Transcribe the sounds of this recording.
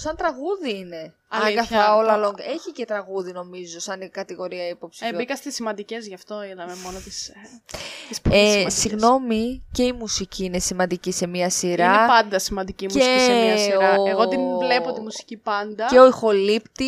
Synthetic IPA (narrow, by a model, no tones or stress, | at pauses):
sɐnt̪ɾɐɣuðiine̞ | ɐɐɡɐθolɐlo̞ŋɡe̞çice̞t̪ɾɐɣuðino̞mizo̞sɐnkɐt̪iɣo̞ɾiɐipo̞psi̥ebikɐst̪isimɐnd̪icezʝɐft̪o̞iðɐmemonot̪is | t̪ispesiɣno̞mice̞imusiciine̞simɐnd̪icise̞miɐsiɾɐpɐnd̪ɐsimɐnd̪icimuesiiɐsɾɐeɣoinvlepot̪imusi̥cipɐnd̪ɐeo̞ixo̞lipt̪i